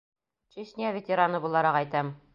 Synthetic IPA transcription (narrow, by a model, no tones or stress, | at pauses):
t͡ʃeɕnʲijavʲet̪ʲeɾanɤbulˠɑɾɑqɑjt̪æm